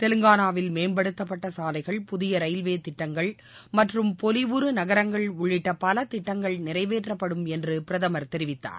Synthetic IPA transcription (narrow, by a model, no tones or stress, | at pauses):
t̪ɛlɯŋɡaːnaːʋɪlmeːnbɐɽɯt̪ːɐp̬ːɐʈːɐsaːlɐɪɣɐɭpʊðɪjɐɾɐjlʋeːt̪ɪʈːɐŋɡɐɭ | mɐʈrɯmpɔlɪʋʊɾɯnɐɣɐɾɐŋɡɐɭʊɭːɪʈːɐpɐlɐt̪ɪʈːɐŋɡɐɭnɪrɐɪʋeːʈrɐpːɐɽɯmɛndrɯpɪɾɐðɐmɐɾt̪ɛɾɪʋɪt̪ːa̰ːɾ